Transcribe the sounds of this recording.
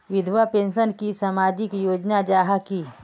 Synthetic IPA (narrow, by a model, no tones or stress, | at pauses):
ʋɪd̪ʱwapẽːnʃənkisamaːd͡ʒɪkjoːd͡ʒnad͡ʒaːɦaki